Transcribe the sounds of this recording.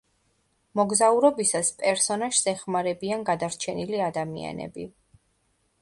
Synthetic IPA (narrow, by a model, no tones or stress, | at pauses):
mɔɡzauɾɔbisaspʼɛɾsɔnaʒsɛχmaɾɛbianɡad̪aɾt͡ʃʰɛniliad̪amḭa̰nɛ̰bḭ